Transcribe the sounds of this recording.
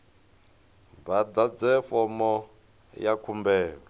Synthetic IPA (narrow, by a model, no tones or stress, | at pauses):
bad̪aɛfɔmɔ | jakʰumbɛːɺɛ